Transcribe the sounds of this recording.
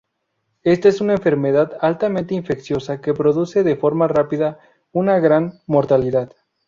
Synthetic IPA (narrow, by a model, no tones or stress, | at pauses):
e̞st̪aesunaeɱfe̞ɾmeðaðalt̪amẽnt̪eiɱfe̞ksjo̞sake̞pɾo̞ðuseðefo̞ɾmarapiða | unaɣɾanmo̞ɾt̪aliðað